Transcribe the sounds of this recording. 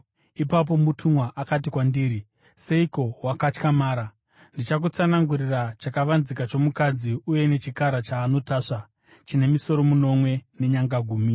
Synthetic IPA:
ipap̬o̞mutʰumwaʔakat̬ikwandiːɾi | se̞iko̞wakat͡ʃkamaːɾa | ndit͡ʃak̬ut͡sanaŋɡurirat͡ʃakaʋanzikat͡ʃo̞mukad͡ziuje̞ne̞t͡ʃikaɾat͡ʃaːno̞taːʂa | t͡ʃine̞miso̞ɾo̞muno̞mwe̞ne̞ɲaŋɡaɡʱuːmi

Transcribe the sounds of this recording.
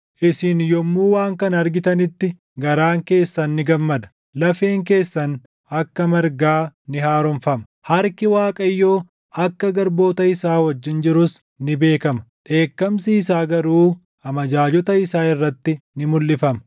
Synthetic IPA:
ʔɪsɪnjɔmːuːwaːŋkɐnɐɾɡɪt̪ɐnɪt̪ːɪ | ɡɐɾaːŋke̞ːsːɐnːɪɡɐmːɐd̪ɐ̥ | lɐfeːŋk̬e̞ːsːɐn | ɐkːɐmɐɾɡaːnɪhaːɾɔnfɐmɐ | hɐɾkɪwaːkʼɐjːo̞ː | ɐkːɐɡɐɾbo̞ːt̪ɐɪsaːwɐd͡ʒːɪnd͡ʒɪɾʊs | nɪbe̞ːkɐmɐᶑe̞ːkːɐmsiːsaːɡɐɾuː | ɐmɐd͡ʒaːd͡ʒɔt̪ɐɪsaːɪrːɐt̪ːɪnɪmʊlːɪfɐmɐ

